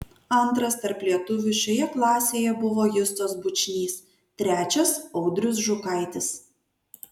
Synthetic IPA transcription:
ɐnˑt̪ɾɐst̪ɐɾplʲiɛt̪ʊʋʲɪʃʲkʲojɛklˠɑːsʲeːjɛbʊʋoːjʊst̪oːsbʊt͡ʃʲnʲiːs | t̪ʲɾʲæːt͡ʃʲɛsɒʊd̪ʲɾʲʊs̬ʒʊkɐɪt̪ʲɪs

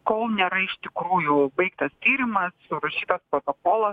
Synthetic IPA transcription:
koːlˠnʲeːɾɐɪʃt̪ʲɪkɾuːjʊbɐɪkt̪ɐst̪ʲiːɾʲɪmɐsʊɾɐʃʲiːt̪ɐspɾoːt̪okoːlˠɐs

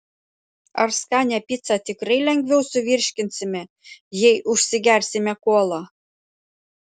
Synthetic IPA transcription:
ɐɾskɑnʲæpʲit̪sɑt̪ʲɪkɾɐɪlʲɛŋʲɡʲʋʲɛʊsʊʋʲiɾʲʃʲkʲɪnʲsʲɪmʲɛ | jɛjʔʊʃʲsʲɪɡʲæɾʲsʲɪmʲɛkuɔlˠɑ

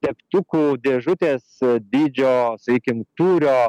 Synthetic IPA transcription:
t̪ʲɛkt̪ʊkuːd̪ʲeːʒʊt̪ʲeːsd̪ʲiːd͡ʒʲoːsɐkʲiːkʲɪmt̪uːɾʲoː

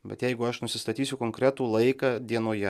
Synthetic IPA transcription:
bʲɛ̰t̪jɛɪɡʊɐʃnʊsʲɪst̪ɐt̪ʲiːsʲʊkoŋkɾʲæt̪uːlˠɐɪkɑːd̪ʲiɛnoːjɛ

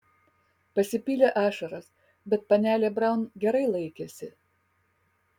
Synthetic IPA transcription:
pɐsʲɪpʲiːlʲeʔɑːʃɐɾɐs | bʲɛt̪̚pɐnʲæːlʲebɾɐˑʊnɡʲɛɾɐɪlˠɐɪkʲeːsʲɪ

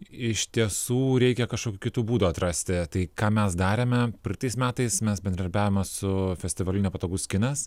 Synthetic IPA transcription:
ɪʃt̪ʲiɛsuːɾʲɛɪkʲɛkɐʃkoːkʲuːkʲɪt̪uːbuːd̪uːɐt̪ɾɐsʲt̪ʲɪt̪ɐɪkɑːmʲɛsd̪ɑːɾʲemʲɛpʲɪlʲt̪ɐɪsmʲæːt̪ɐɪsmʲɛsbʲɛnd̪ɾɐd̪ɐɾʲbʲæːʋʲomʲɛsʊfʲɛsʲt̪ʲɪʋɐlʲɪnʲɛːpɐt̪oːɡʊsʲkʲɪnɐs

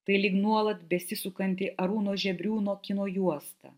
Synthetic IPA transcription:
t̪ɐɪlʲiːknuɔlˠɐt̪bʲɛsʲɪsʊkɐnʲt̪ʲɪʔɐɾuːnoːʒʲɛbʲɾʲuːnoːkʲɪnoːjuɔst̪ɐ̰

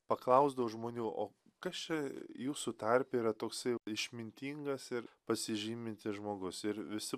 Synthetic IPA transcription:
pɐklˠɐʊzd̪ɐʋoʒmoːnʲuːʔo̰ː | kɐst͡ʃʲɛjuːsut̪ɐɾʲpʲɛiːɾɐt̪oːksɐɪɪʃʲmʲɪnʲt̪ʲiːŋɡɐsɪɾpɐsʲɪʒʲiːmʲɪnʲt̪ʲɪʒmoːɡʊsɪɾʋʲɪsʲɪ

